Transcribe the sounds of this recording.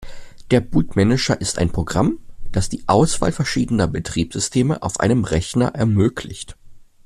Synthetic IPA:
d̥eːɐbuːtmɛnɪt͡ʃɐʔɪsta̰ɪnpʁ̥oɡʁamd̥asd̥iːʔaʊsv̥a̰ːlfɛɐʃiːdənɐbətʁ̥iːpz̥ʏstʰeːməʔa̰ʊfʔa̰ɪnəmʁɛçnɐ̰ʔɛɐmøːkʰlɪ̰çt

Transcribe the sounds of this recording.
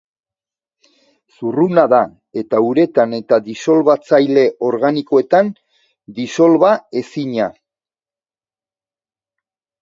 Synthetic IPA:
surunaða | e̞t̪auɾe̞t̪ane̞t̪aðiso̞lβat͡sajle̞ʔo̞ɾɣaniko̞e̞t̪an | d̪iso̞lβae̞siɲa

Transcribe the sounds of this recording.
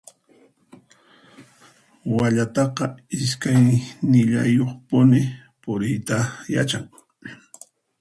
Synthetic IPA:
waʎat̪ɑqɑɪskajnɪʎa̰joχpʊnɪ | pʊɾɪjt̪aja̰t͡ʃaŋ

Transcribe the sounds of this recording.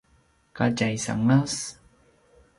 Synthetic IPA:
kat͡ʃajsa̰ŋas

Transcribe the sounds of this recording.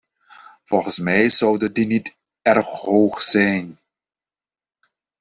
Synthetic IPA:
v̥ɔlˠχənsmɛjzɑwdədinit | ɛrχɦoːχsɛjn

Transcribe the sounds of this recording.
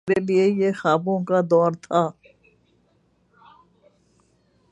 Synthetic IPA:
ɾeliejexaːbõkad̪ɔːɾt̪ʰaː

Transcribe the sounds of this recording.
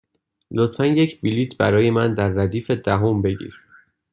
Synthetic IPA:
lot̪fænjecʰbiliːt̪ʰbæɾɒːje̞mænd̪æɾːæd̪iːfe̞d̪æɦombe̞ɟḭːɾ

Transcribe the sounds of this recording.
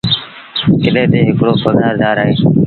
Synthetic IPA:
kɪɗẽːt̪eːɦɪkɽoːpəɡʱaːɾd̪aːɾaːɦeː

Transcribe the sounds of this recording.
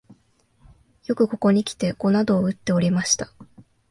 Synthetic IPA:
jo̞kɯ̟ko̞ko̞ɲ̟ikʲi̥t̪e̞ɡ̥o̞nad̪o̞ːɯ̟t̪ːe̞o̞ɾʲimaɕi̥t̪ḁ

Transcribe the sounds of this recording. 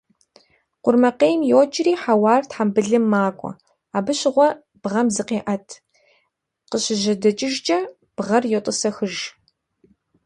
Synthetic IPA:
qʷʊrmɐqeːjmjoːt͡ʃʼɪriːħawɑːrtħambɨɮɨmːaːkʷʼɔ̰ | aːbɨɕɪʁʷɔ | b̥ʁɐmzɨqeːʔɐtʰ | qəɕɪʑɐdɐt͡ʃʼɪʒd͡ʒʼɐ | b̥ʁɐrjotʼɨsɐxɨʒ

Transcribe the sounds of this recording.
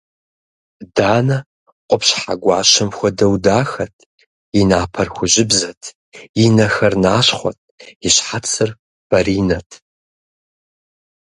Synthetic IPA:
daːnɐ | qʷʼɔpɕħaɡʷɑːʃɐmxʷɔdɐwdaːxɐtʰ | inaːpʰɐrxʷʊʑɪbzɐtʰ | inɐxɐrnaːɕχʷɔ̰tʰɪɕħat͡sʰɨr | b̥ɐɾiːnɐtʰ

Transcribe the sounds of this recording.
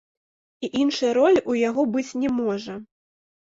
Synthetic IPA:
iʔinʂɐjɐɾɔlʲujaɣɔbɨt͡sʲnʲɛmɔʐɐ

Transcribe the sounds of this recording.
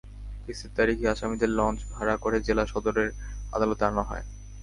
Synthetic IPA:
kisitt̪aɾikʰiaʃamid̪eɾlɔnt͡ɕbʱaɾakoɾed͡ʑelaʃɔd̪oɾeɾa̰d̪alot̪eanaɦɔ̰e

